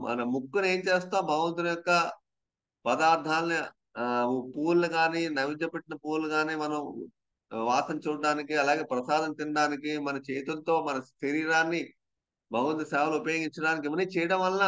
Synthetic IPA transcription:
mʔɐ̰nɐmukːune̞ːɲt͡ʃeːst̪aːbʱɐɡɐʋɐnt̪̬unɐjɔkːɐ | pɐd̪aːɾd̪ʱʰaːlɐni | puːɾlɐɡaːniːnɐʋid͡ʒɐpeʈːinɐpuːɾlːɐɡaːniːmɐnɐm | ʋaːsɐmt͡ʃuːɖaːnikiɐlaːɡe̞ːpɾɐsaːd̪ɐnt̪iɳɖaːnikimɐnɐt͡ʃeːt̪ult̪o̞ːmɐnɐseɾiːɾaːnːi | bʱɐɡɐʋɐnt̪usaːʋɐlɐupɐjo̞ːɡiɲt͡ʃɐɽaːnik̬iʋɐnːiːt͡ʃɛːjɐɽɐmʋɐlnaː

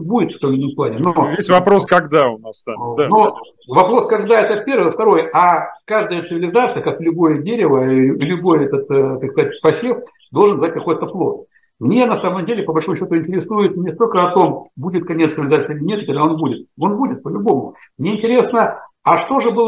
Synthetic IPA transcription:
budʲɪt̪ft̪omʲlʲinʲəmplˠanʲɪnovʲesʲvɐpɾo̞skɐɡd̪aʊnast̪ano | vɐpɾo̞skɐɡd̪aɛt̪əpʲe̞rvɨft̪ɐɾo̞jʔakaʐd̪əjət̪sɨvʲɪlʲɪzarst̪əkaklʲʊbo̞jədʲeɾʲɪvəilʲʊbo̞jɛt̪ət̪kakskɐzat̚ʲpɐsʲif | d̪o̞lˠʐɨnzat̚ʲkɐko̞jt̪əplˠo̞t̪̚ | mnʲe̞nɐsaməmdʲelʲɪpəbɐlʲʂo̞mʊɕːot̪ʊɪnʲtʲɪɾʲɪsujɪt̪nʲɪst̪o̞lʲkəɐt̪o̞mbudʲɪt̪̚kɐnʲeɨvʲɪlʲɪzarsʲilʲɪnʲe̞t̪ɨkɐɡd̪ao̞nbudʲɪt̪̚o̞nbudʲɪt̪̚pəlʲʊbo̞mʊ | mnʲeɪnʲtʲɪɾʲe̞snə | ɐʂt̪o̞ʐɨbɨlˠ

